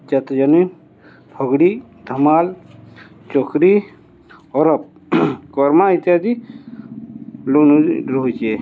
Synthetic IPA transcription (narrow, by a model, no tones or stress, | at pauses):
t͡ʃɐt̪d͡ʒənu | bʰʱɔɡɽid̪ʱəmal | t͡ʃokʰɾi | ɔɾɔp̚ | kɔɾmait̪ijad̪i | lunuɾoɦt͡ʃe